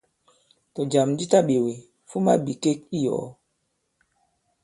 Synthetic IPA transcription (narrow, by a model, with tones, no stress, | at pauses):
tɔ˨d͡ʒa˨mdi˦ta˦ɓe˨we˨ | fu˦ma˦bi˨ke˦k̚i˦jɔ̰ː˨